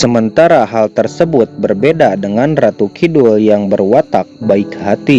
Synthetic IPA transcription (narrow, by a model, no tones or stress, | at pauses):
səmənt̪aɾaɦalt̪ərsəbʊt̪̚bərbedadəŋanrat̪ukʰidʊljaŋbərwat̪ak̚baɪkhat̪i